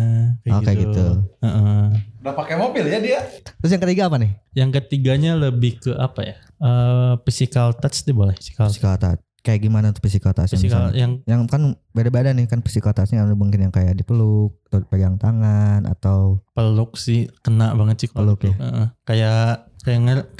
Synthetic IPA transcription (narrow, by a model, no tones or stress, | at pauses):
okeɡit̪uəʔəɡapakɛmobɪljadiat̪ɾʊs̬jaŋkət̪iɡaːpanɪhjaŋkət̪iɡaɲaləbɪhkəʔapaja | əpisikalt̪asd̪ibolɛhfi̥si̥kasi̥kalt̪a̰t͡ʃ | kajaʔɡimanant̪ʊ̥k̚fis̬ikalt̪asaikaljaŋjaŋkanbadabadanɪhkanfi̥sikalt̪asɲaabuŋkɪnjaŋkajaʔdipəlʊk̚t̪apəɡaŋt̪aŋanʔa̰t̪awpəlʊk̚sɪhkənaʔbaŋət̪sɪpəlʊkjaəʔəkajakajaŋər